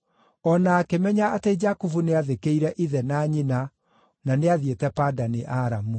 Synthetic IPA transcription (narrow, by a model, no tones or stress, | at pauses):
ɔnaːkemɛɲaːted͡ʒakuvuneaðekeiɾɛʔiðɛnaɲina | naneaðietɛpadaneʔaɾamu